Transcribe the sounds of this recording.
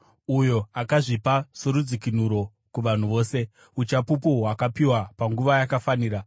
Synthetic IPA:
ujo̞akaʐipasoɾud͡zikin̤uɾo̞ | kuʋan̤uʋo̞ːse̞ | ut͡ʃapupuwakapiwapaŋɡuʋajakafaniːɾa

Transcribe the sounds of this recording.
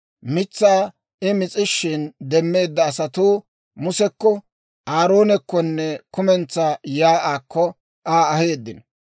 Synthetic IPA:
mɪt͡sːaː | ɪmɪt͡sʼɪʃːɪnd̪ɛmːe̞ːd̪ːɐːsɐt̪uː | mʊsɛkːɔ | ʔaːɾo̞ːnɛkːɔnːɛkʊmɛnt͡sːajaːʔaːkːɔ | ʔaːɐhe̞ːd̪ːɪn

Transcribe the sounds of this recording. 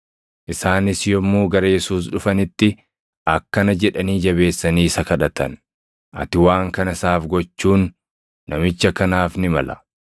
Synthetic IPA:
ʔɪsaːnɪsjɔmːuːɡɐɾɐjɛsuːs̬ᶑʊfɐnɪt̪ːɪ | ʔɐkːɐnɐd͡ʒɛᶑɐniːd͡ʒɐβe̞ːsːɐniːsɐkɐᶑɐt̪ɐn | ʔɐ̰t̪ɪwaːŋkɐnɐsaːfɡɔt͡ʃːuːnː | ɐmɪt͡ʃːɐkɐnaːfnɪmɐlɐ̥

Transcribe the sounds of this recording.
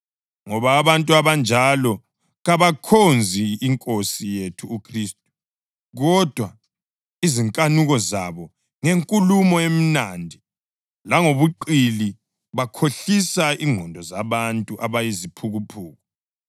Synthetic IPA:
ŋɔβaːβantʼuaβand͡ʒʱalɔ | ɣaβakʰond͡zʱiːŋkʼosijetʰuːkʰriːstʼu̥ | ɣɔd̥ʱwa | iziŋkʼanuɣɔzaβɔ | ŋeŋkʼulumɔem̩nandʱi | laŋoβuǃili | βakʰoɬisaiŋɔndʱɔzaβantʼuʔaβajizipʰuɣupʰuːɣɔ

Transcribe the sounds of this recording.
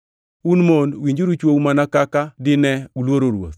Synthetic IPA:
unmonwiɲd͡ʒuɾut͡ʃwowmanakakadɪnɛulwoɾoɾwo̰t̪

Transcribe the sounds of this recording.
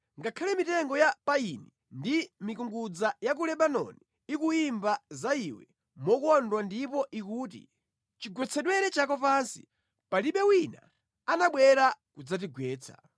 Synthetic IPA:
ŋɡakʰalɛmitɛŋɡɔjapaini | ndimikuŋɡud͡zajak̬ulɛɓanɔ̰niːkuimbazaiwɛ̰ | mɔkuɔndwandipɔʔikuːt̬ḭ | t͡ʃiɡwɛt͡sʰɛɗwɛɾɛt͡ʃakɔpansi̥̰ | paliɓɛwina | anaɓwɛɾakud͡zat̬iɡwɛːt͡sʰḁ̰

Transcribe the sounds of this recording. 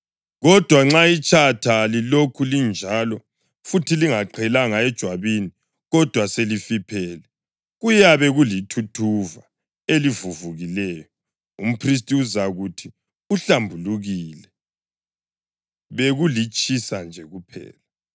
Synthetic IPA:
ɣɔd̥ʱwaŋ͡ǁait͡ʃʼatʰalilokʰulind͡ʒʱalɔ | futʰiliŋaǃʰɛlaŋaɛd̥ʒ̥ʱwaβini | ɣɔd̥ʱwaselifipʰɛːlɛ | ɣujaβɛɣulitʰutʰuva̰ | elivuvuɣilɛːjɔ | um̩pʰris̬tʼiuzaɣutʰi | uɬambʱuluɣiːlɛ | βeɣulit͡ʃʼisand͡ʒʱɛɣupʰɛ̰ːla

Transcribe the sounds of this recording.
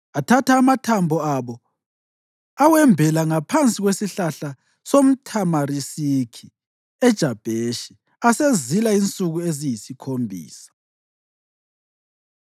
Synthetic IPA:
atʰataːmatʰambʱɔaβɔ | awɛmbʱɛlaŋapʰant͡sʼiɣwesiɬaɬa | som̩tʰamarisikʰi | ɛd̥ʒ̥ʱab̥ʱeʃi̥ | asezilaint͡sʼuɣuezijisikʰombʱḭːsḁ

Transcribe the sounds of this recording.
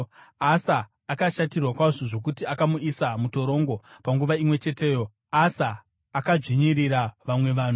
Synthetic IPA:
asaː | kaʃatirwakwaʐoʐo̞k̬utiakamuisamuto̞ɾo̞ŋɡo̞paŋɡuʋaimwe̞t͡ʃe̞te̞ːjo | asaː | kaʐiɲiriɾaʋamwe̞ʋaːn̤u

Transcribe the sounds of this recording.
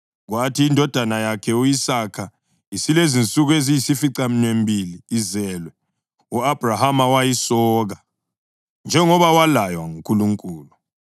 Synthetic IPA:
ɣwatʰiːndʱɔd̥ʱanajakʰɛuisakʰa | isilezint͡sʼuɣezijisifiǀam̩nwembʱiliːzɛlwɛ | uab̥ʱrahamawajisɔːɣa | nd͡ʒʱɛŋɔβawalajwa̰ŋuŋkʼuluŋkʼuːlu

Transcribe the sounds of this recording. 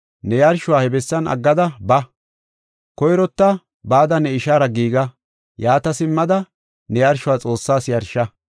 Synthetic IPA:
nɛjɐɾʃʊwaːhɛbɛsːɐnʔɐ̰ɡːɐd̪ɐbɐ | kɔjɾɔt̪ːɐ | baːd̪ɐnɛɪʃaːɾɐɡiːɡɐ | jaːt̪ɐsɪmːɐd̪ɐ | nɛjɐɾʃʊwaːt͡sʼo̞ːsːaːsjɐɾʃːɐ

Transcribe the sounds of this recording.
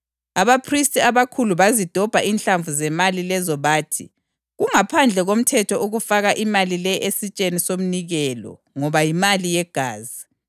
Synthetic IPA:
aβapʰristʼiaβakʰuluβazid̥ʱɔb̥ʱaʔinɬaɱvuzɛmalilɛzɔβaːtʰi | ɣuŋapʰand͡ɮʱɛɣom̩tʰɛtʰɔuɣufaɣaʔimalilɛʔesit͡ʃʼenisom̩niɣɛlɔ̰ | ŋɔβajimalijɛɡ̥ʱaːzi

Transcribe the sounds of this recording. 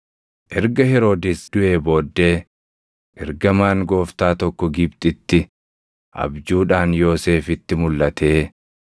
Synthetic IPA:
ʔɛɾɡɐhɛɾo̞ːd̪ɪsd̪̥ʊʔe̞ːbo̞ːd̪ːe̞ː | ʔɛɾɡɐmaːŋɡo̞ːft̪aːt̪ɔkːɔɡɪbt̪ʼɪt̪ːɪ | ʔɐ̰bd͡ʒuːᶑaːnjo̞ːse̞ːfɪt̪ːɪmʊlːɐt̪ʰe̞ː

